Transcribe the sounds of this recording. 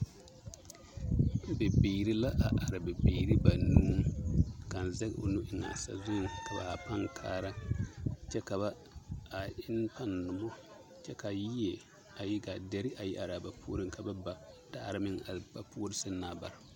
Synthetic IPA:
bɛ˨biː˨ɾi˦la˦ʔa˨ʔa˨ɾɪ˨bɛ˨biː˨ɾi˦ba˨nuː˦ka˨n˨zɛ˦ɡ̰ʊ̰˨nʊ˦ʔɪ˨ŋa̰˨sa̰˨zʊ˦ŋka˨ba̰˨a˨pa˦ŋ˨kʰa̰ː˦ɾa˦ | t͡ʃɛ˦ka˨ba˦ | a˨ɪ˦n˦pa˦nː˨ʊ˨mɔ˦ | t͡ʃɛ˦ka˨ji˦je˨ | a˨ji˦ɡa˨dɛ˦ɾɪ˦ʔa˨ji˦ʔa˨ɾa˨ba˨pʰuː˦ɾɪ˦ŋ˨ka˨ba˦ba˨daː˦˨ɾɪ˦mɪ˦ŋa̰˨lba˨pʰu˦o˦ɾɪ˦sɨ˦n˦naː˨ba̰˨ɾa˨

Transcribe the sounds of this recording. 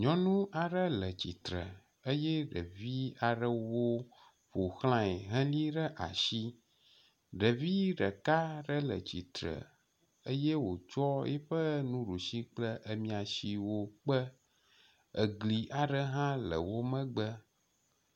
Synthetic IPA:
ɲɔ̃˦nũ˦ʔa˨ɖə˦lə˨t͡ɕi˨t̪ɾə̰˨ | ə˦jɛ˦ɖə˨vi˦a˨ɖə˦wo˦ | ɸo˨xl̃ã˦i˨ɦə̃˦li˦ɖə˦ʔa̰˨ʃi˦ | ɖə˨vi˦ɖə˨ka˦ɖə˦lə̰˨t͡ɕi˨t̪ɾə̰˨ | ə˦jɛ˦wo˨t͡ʃɔ˦jɛ̰˦ɸə˦nũ˦ɖu˨ʃi˦k͡plə˦ʔə˦mĩ˨a˨ʃi˦wo˦k͡pə˦ | ə˨ɡli˨ʔa˨ɖə˦ɦã˦lə̰˨wo˦mə̃˦ɡ͡bə˦

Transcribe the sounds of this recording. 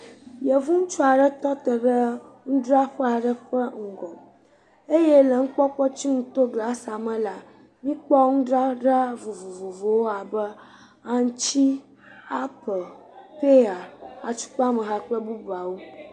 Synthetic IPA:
jə˨vu˦ŋũ˦t͡ʃɔ˦a˨ɖə˦t̪ɔ˦t̪ə˨ɖə˦ | ŋũ˦ɖɾa˦ɸə˦a˨ɖə˦ɸə˦ŋ̩˨ɡɔ˨ | e˦je˦lə˨ŋ̩˦k͡pɔ˦k͡pɔ˦t͡ɕi˦ŋũ˦t̪o˦ɡla˨sa˨mə̃˦la˨ | mĩ˦k͡pɔ˦ŋũ˦ɖɾa˦ɖa˦vo˨vo˨vo˨vo˨wo˦a˨bə˦ | a˨ŋ˦t͡ɕi˦ | a˦pə˨ | pe˦a˨a˨t͡ʃu̥˦k͡pa˦mə˨ɦa˦k͡pə˦bu˦ba˨wo˦

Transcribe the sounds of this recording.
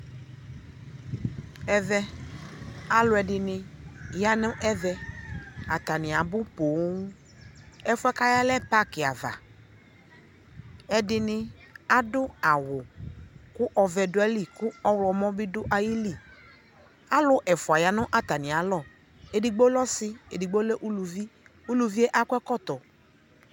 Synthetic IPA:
ɛ˦vɛ˦ | a˨lʊ˦ɛ˨dɪ˨nɪ̃˧ja˦nʊ̃˦ʔɛ˦vɛ˧ | a˨t̪a˨nɪ̃˨a˨bʊ˦po˨˦ŋũ˦ | ɛ˦fʊ˦ɛ˦ka˦ja˦lɛ˦pa˦kɪ˨a˨va̰˨ | ɛ˨dɪ˧nɪ̃˧ | a˦dʊ˦a˨wʊ˨kʊ˦ʔɔ˧vɛ˨dʊ˦ɛ˦li˦˨kʊ˦ɔ˦wlɔ˧mɔ̃˦bɪ˦dʊ˦ʔa˨ji˦li˦˨ | a˦lʊ˦ʔɛ˨fʊ˨a˨ja˨nʊ̃˦ʔa˨t̪a˨nɪ̃˨a˨˦lɔ˦˨ | e˨dɪ˨ɡ͡bo˦lɔ˦sɪ˦ḛ˨di˨ɡ͡bo˦le˦ʔu˦lu˨vi˦ | u˦lu˨vi˦e˦ʔa˦kʊ˦ɛ˦kɔ˦˨t̪ɔ˨

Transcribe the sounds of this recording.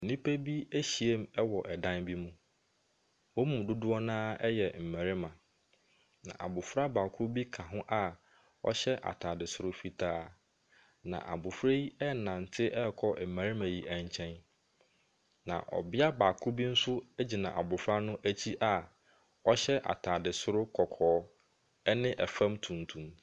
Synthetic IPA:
n̩˨nĩ˦pʰe˦bi˦e˦ɕi˨e˦mɛ˦wɔ˨ʔɛ˨dã˦nbi˦mũ˦ | wo˦mũ˨dʊ˦dʊ˦ɔ˦nãː˦ɛ˦jɛ˨m̩˨mæ̃˨ɾɪ˦mã˨ | nã̰˨ʔa̰˨bʊ˨fɾa˦baː˨kʰʊ˦bi˦kʰã˨ɦʊ̃˦ʔa˦˨ | ɔ̰˦ɕɛ˦ʔa̰˨tʰa˨dɪ˨sʊ˨ɾʊ˨˦fi˨tʰa˦˨ | nã̰˨ʔa̰˨bʊ˨fɾe˦i˦ɛ˦nã˨n̩˨tʰɪ˦ʔɛ˦˨kʰɔ˦m̩˨mæ̃˨ɾɪ˦mã˨ji˨ʔæ̃˦˨ɲ˦t͡ɕʰɛ̃˦n | nã̰˨ʔɔ̰˨bɪ˦a˦baː˨kʰʊ˦bi˦n̩˦sʊ˦ɛ˦d͡ʑi˨nã̰˨ʔa˨bʊ˨fɾa˦nʊ̃˦ʔæ˦t͡ɕʰi˦ʔa˨ | ɔ˦ɕɛ˦ʔa̰˨tʰaː˨dɪ˨sʊ˦ɾʊ˦kʰɔ˨kʰɔː˨˦ | ɛ˦nɪ̃˦ʔɛ˨fã˦mtʰũ˨n˨tʰũ˨˦m

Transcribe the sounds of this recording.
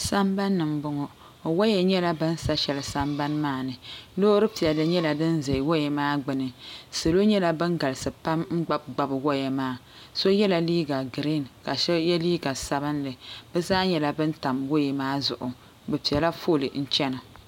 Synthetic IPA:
sa˦mba˦nːɨ˨mbʊ˨ŋɔ˨ | wa˦jɛ˨ɲɛ˦la˦bɨ˦n̩˦sa˦ʃɛ˨lɨ˨sa˦mba˦nmaː˦˨nɨ˨lo˦ɾɨ˦pi˨ɛ˨lɨ˨ɲɛ˦la˨dɨ˦nzɛ˨wo˦jɛ˨maː˦ɡ͡bɨ˨nɨ˨sɨ˨lo˦ɲɛ˦la˦bɨ˦ŋ˦ɡa˨lɨ˨sɨ˨pa˦mŋ͡m̩˦ɡ͡ba˦b̚ɡ͡ba˨bɨ˨wo˦jɛ˨maː˦˨ | so˦jɛ˦la˨liː˦ɡa˨ɡɾi˦˨nka˨ʃɛ˦jɛ˦liː˦ɡa˨sa˨bɨ˦nlɨ˨bɛ˦zaː˦ɲɛ˦la˨bɨ˦n̩˦ta˨mwo˦jɛ˨maː˦zʊ̰˨ʔʊ˨ | bɛ˨pi˨ɛ˨la˦fo˦˨lɨ˨n̩˦t͡ʃɛ˦na˨

